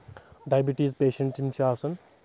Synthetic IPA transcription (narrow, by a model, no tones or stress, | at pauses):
ɖajbiʈiːzpeːʃɐ̃ɳʈimʃaːsɐn